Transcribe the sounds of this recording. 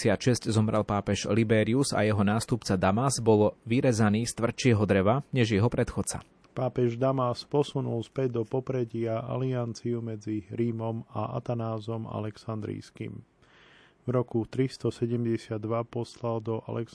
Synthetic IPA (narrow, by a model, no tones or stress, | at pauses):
ɪat̪ʃɛsczɔmɾʔɛlpaːpɛʒlibɛɾiuza̰jɛɦɔnaːst̪upt͡sad̪amazbɔlʋiɾɛzaniːst̪ʋr̩t͡ʃɪɛɦɔd̪ɾɛʋaɲɛʒjɛɦɔpɾɛt̪xɔt͡sa̰ | paːpɛʒd̪amaspɔsunulspɛɟd̪ɔpɔpɾɛɟɪaʔa̰liant͡siumɛd͡ziɾiːmɔmaʔa̰t̪anaːzɔma̰lɛksand̪ɾḭːskḭm | vɾɔkut̪ɾist̪ɔsɛɟɛmɟɛsɪad̪ːʋapɔslald̪ɔʔa̰lɛk